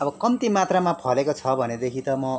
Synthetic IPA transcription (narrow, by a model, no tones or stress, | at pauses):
ʌbʌkʌmt̪imat̪ramapʰʌlekot͡sʰʌbʱʌned̪ekʰit̪ʌmʌ